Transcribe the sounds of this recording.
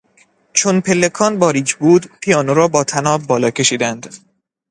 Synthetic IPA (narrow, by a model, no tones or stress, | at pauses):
t͡ʃʰonpʰe̞lːekʰɒːnbɒːɾiːd͡ʒbuːd̪pʰijɒːnoɾɒːbɒːt̪ʰænɒːbbɒːlɒːkʰe̞ʃiːd̪ænd̪̥